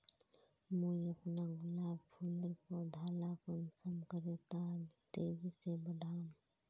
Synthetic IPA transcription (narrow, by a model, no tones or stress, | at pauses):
muiəpnaɡʊlapʰuləɾkod̪ʱaːlakənsəmkəɾet̪at̪eːɾisebəɖʱam